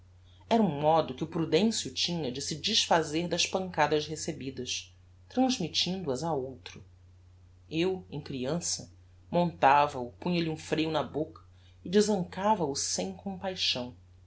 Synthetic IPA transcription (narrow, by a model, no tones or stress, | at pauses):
ɛɾɐũmɔd̪ʊkɪʊpɾud̪ẽsiʊt͡ʃĩɲɐd͡ʒɪsɪd͡ʒiʃfazeɾd̪ɐʃpɐ̃ŋkad̪ɐʃɦesebid̪ɐʃ | t̪ɾɐ̃zmit͡ʃĩnd̪ʊɐzaowt̪ɾʊ | ewḛ̃j̃kɾiɐ̃sɐ | mõnt̪avɐʊpũɲɐliũfɾejʊnɐbokɐ̥ | ɪd͡ʒɪzɐ̃ŋkavɐʊsẽj̃kõpajʃɐ̃w̃